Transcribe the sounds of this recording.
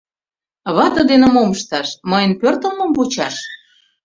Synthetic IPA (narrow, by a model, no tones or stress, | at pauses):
βɑt̪ə̆d̪enə̆moməʃt̪ɑʃmɤjə̆npørt̪ə̆lmə̆mvut͡ɕɑʃ